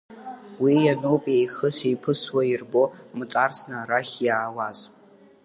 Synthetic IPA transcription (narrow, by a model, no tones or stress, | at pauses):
wijanowpʼiejxɨsijpʰɨswajirbomɨt͡sʼarsnaɾaχʲjaːwazʼ